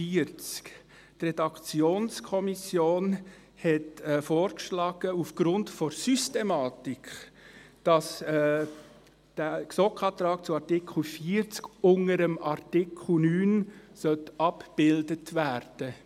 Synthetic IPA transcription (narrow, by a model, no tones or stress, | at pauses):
iəɾt͡sk | trɛdɑkt͡sjoːnskʰɔmisjoːn | hɛtɛfoːɾkʃlɑːɡ̥əufɡ̥ɾʊntfɔɾsystɛmɑːtikχ | d̥ɑs | d̥æksɔkχɑːt̪ɾɑːkt͡suɑɾtɪkl̩fiːɾt͡skʊŋəɾəmʔɑɾtɪkl̩nyːnsœtɑpb̥ɪldətvæːɾd̥ə